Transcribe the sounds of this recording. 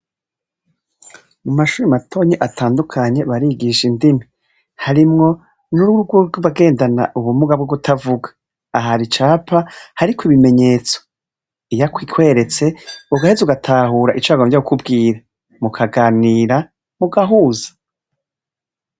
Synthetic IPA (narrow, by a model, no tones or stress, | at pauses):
mumaʃuːɾimatʰo̞ɲeʔatʰaːndukʰaɲe̞βaɾiɡiːʃindimi | haɾimŋo̞ | nuuuɡwoɾɡoβaɡe̞ːndana̰ʔuβumuɡabɡoɡutʰavuɡḁː | ɦaɾit͡ʃaːpʰahaɾikwoiβime̞ɲe̞ːt͡so̥ | ijakwiːkʰwe̞ːɾe̞t͡se̞uɡahezuɡatʰaːɦuːɾaʔit͡ʃaːɡomvjaukubɡiːɾa | mukʰaɡaːniːɾa | muɡaɦuːzḁ